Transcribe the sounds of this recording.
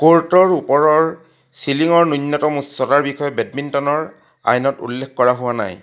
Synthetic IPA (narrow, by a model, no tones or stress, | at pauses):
koɹtɔɹupɔɹɔɹ | siliŋɔɹnujnːɔtɔmutsɔtaɹbixɔjɔbɛd̚mintɔnɔɹ | a̰jnɔtṵlːekʰkɔɹaɦʊwana̰j